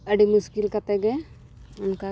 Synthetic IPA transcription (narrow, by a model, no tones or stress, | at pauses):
əɖimuskilkat̪ɛɡɛ | ʊnka